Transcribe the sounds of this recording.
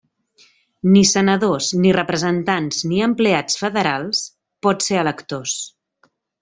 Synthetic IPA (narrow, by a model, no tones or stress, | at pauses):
nisənəðosnirəpɾəzənt̪anzniəmpleat͡sfəðəɾalˠs | pɔt̪seələkt̪os